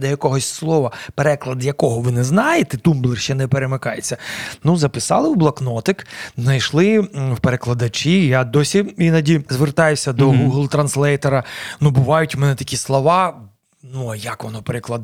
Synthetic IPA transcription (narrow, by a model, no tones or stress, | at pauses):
d̪ɛjɐkɔɦɔsʲslˠɔʋɐpeɾɛklˠɐd̪jɐkɔɦɔʋɪnɛznɑjet̪ɛt̪umblˠɪʃt͡ʃɛnɛpeɾemɪkɑjet͡sʲːɐnuzɐpɪsɑ̰lˠɪwblˠɐknɔt̪ɪkznɐjʃlˠɪwpeɾeklˠɐd̪ɐt͡ʃijad̪ɔsʲiinɐdʲizʋert̪ɑjʊsʲɐd̪ɔɡuɦlˠt̪ɾɐnslˠɛjt̪eɾɐnubʊʋɑjʊtʲmɛnɛt̪ɐ̥kʲislˠɔʋɑ | nuɐjɐkʋɔnɔpeɾɪklˠɐd̪